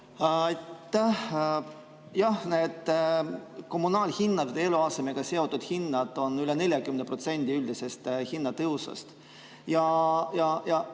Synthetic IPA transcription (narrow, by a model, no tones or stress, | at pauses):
ɑjt̪ːæh | jɑhne̞d̪ | ko̞mːunɑːlʲhinːɑvd̪eeluɑse̞me̞ɡ̥ɑse̞o̞t̪ːˑud̪̥hinːɑd̪̥o̞nylene̞lʲjɑkymenepɾro̞t̪se̞nʲd̪̥ʲiyld̪ise̞st̪çinːɑt̪ɤusɑ̰st̪ | jɑjɑjɑ